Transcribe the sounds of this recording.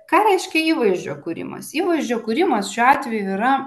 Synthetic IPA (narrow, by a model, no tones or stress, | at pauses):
kɑːɾʲɛɪʃʲkʲɛiːʋɐɪʒʲd͡ʒʲoːkuɾʲɪ̰mɐ̰siːʋɐɪʒʲd͡ʒʲoːkuːɾʲɪmɐsʃʲuːɑːt̪ʲʋʲɛjuiɾɐ